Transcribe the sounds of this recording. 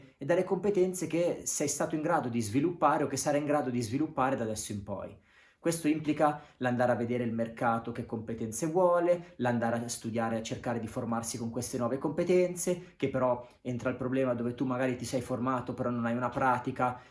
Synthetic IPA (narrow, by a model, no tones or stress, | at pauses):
ed̪alːekompet̪ɛnt̪sekesɛjst̪aːt̪oiŋɡɾaːd̪od̪izvilupːaːɾeokːesːaɾajiŋɡɾaːd̪od̪izvilupːaːɾed̪ad̪ɛsːoimpɔ̰j | kwest̪oimplikaland̪aːɾeavːed̪eːɾeilmerkaːt̪ok̟ekːompet̪ɛnt̪sevwɔːleland̪aːɾeaast̪ud̪jaːɾeat͡ʃːerkaːɾed̪iformarsikoŋkwest̪enwɔːvekompet̪ɛnt̪sek̟epːeɾɔ | ent̪ɾalpɾoblɛːmad̪oːvet̪umːaɡaːɾit̪isɛjformaːt̪opeɾɔnːonajunapɾaːt̪ika